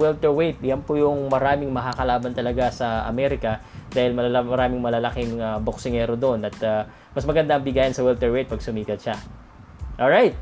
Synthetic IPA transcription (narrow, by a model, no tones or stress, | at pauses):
wɛlt̪ɛɹwejt̪̚jɐnpʊjʊŋmɐɾaːmɪŋmɐkakɐlaːbɐnt̪ɐlɐɡasɐʔɐ̰mɛɾɪkɐ | d̪̥aːhɪlmɐmɐɾaːmɪŋmɐlalɐkɪŋɐboksɪŋɛːɾod̪onɐt̪ɐ | mɐsmɐɡɐnd̪aɐŋbɪɡaːjɐnsɐwɛlt̪ɛɹwejt̪̚pɐɡ̚sʊmiːkɐt̪ʃa | ʔolɹajt̪̚